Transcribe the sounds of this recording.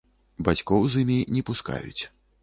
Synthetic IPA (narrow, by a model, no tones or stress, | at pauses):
bat͡sʲkɔwzɨmʲinʲɛpuska̰jṵt͡sʲ